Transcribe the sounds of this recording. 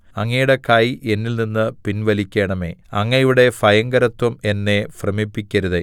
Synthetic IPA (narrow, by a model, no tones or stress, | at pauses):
ɐŋːɐjuɽekajiʔe̞nːilninːɨpinʋɐlikʲːe̞ːɳɐme̞̰ːɐŋːɐiʋiɽe̞fɐjɐŋɡɐɾɐt̪ːwɐme̞nːefrɐmipːikʲːɐɾuðe